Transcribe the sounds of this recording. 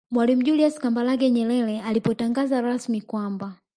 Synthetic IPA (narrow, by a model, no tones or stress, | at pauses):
mwalim̩ʄuliaskambalaɡɛɲɛɾɛlɛalipɔtaŋɡazaɾasmikwamba